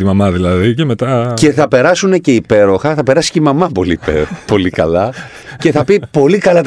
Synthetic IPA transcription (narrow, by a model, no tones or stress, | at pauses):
imɐmɐðilɐðicemet̪ɐce̞θɐpe̞ɾɐsune̞ce̞ipe̞ɾo̞xɐθɐpe̞ɾɐsi̥ceimɐmɐpo̞lipḛɾopo̞likɐ̰lɐ | ce̞θɐpipo̞likɐlɐt̪